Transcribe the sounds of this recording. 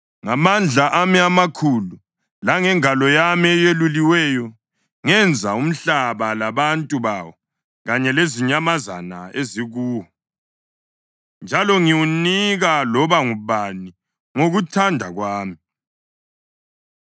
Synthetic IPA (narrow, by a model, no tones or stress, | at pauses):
ŋamand͡ɮʱaʔamiamakʰulu | laŋɛŋalɔjamiɛjeluliwɛjɔ | ŋɛnd͡zʱaum̩ɬaβalaβantʼuβaːwɔ | ɣaɲɛleziɲamazanaeziɣuːwɔ | nd͡ʒʱalɔŋiwuniɣalɔβaŋuβani | ŋoɣutʰandʱaɣwaːmi